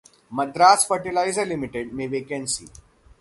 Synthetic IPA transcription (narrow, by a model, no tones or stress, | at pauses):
məd̪ɾaːsfəɾʈilaːɪzəɾlimiʈeɖmeʋeːkẽnsḭː